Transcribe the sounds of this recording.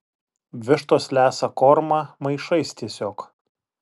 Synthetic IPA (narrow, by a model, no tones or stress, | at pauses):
ʋʲɪʃt̪oːslʲæːsɐkɔːɾmɑːmɐɪʃɐɪst̪ʲiɛsʲoːk